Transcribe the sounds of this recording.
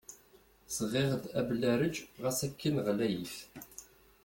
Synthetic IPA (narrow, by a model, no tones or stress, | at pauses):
sʁɪʁəd̪æblæɾəd͡ʒʁæsækːinʁlæjəf